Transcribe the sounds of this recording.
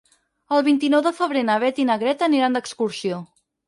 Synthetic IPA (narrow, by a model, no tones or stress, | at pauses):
əlˠβint̪inɔwðəfəβ̞ɾenəβɛt̪inəɣɾɛt̪əniɾand̪əkskuɾsio